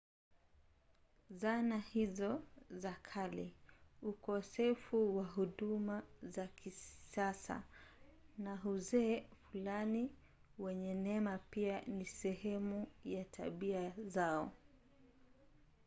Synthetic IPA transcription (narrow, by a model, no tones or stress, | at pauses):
zanahizɔzakʰaliukɔsɛfuwaɦuɗumazakʰiasa̰ | naɦuzɛfulani | wɛɲɛnɛmapianisɛhɛmujatʰa̰ɓiazaɔ